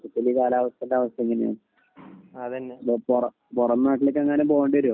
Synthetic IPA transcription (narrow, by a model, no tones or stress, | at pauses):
tːɐt̪ːilikaːlaːʋɐst̪ɐndaːʋɐst̪ɐeŋːɐneja̰ːɳɨ | ɐðɐnːepopurɐ | purɐnːnaːʈːilekːɐŋːɐneboːɳɖiʋɐɾoː